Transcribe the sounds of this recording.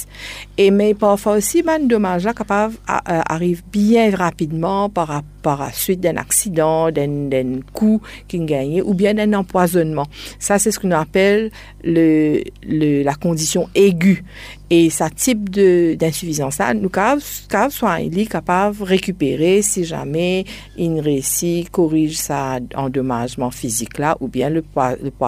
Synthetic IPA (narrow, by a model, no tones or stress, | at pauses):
emɛpaʁfwaosimand̪ɔmaʒlakapava̰a̰ʁivbjɛ̃ʁapid̪mɑ̃paʁapaʁla̰sɥit̪̚d̪ɛ̃nʔa̰ksid̪ɑ̃d̪ɛ̃d̪ɛ̃kukʲinuɡaɲeʔubjɛ̃d̪ɛ̃nɑ̃pwazɔnmɑ̃sasɛsə̥kɔ̃napɛlː | ələlakɔ̃d̪isjɔ̃eɡʲy | esat̪ip̚d̪əd̪ɛ̃syfizɑ̃sa̰nukavkavswaɛ̰̃likapavʁekypeʁesiʒa̰mɛ | inəʁesikɔʁiʒsaɑ̃d̪ɔmaʒmɑ̃fiziklaʔubjɛ̃ləpwaləpwa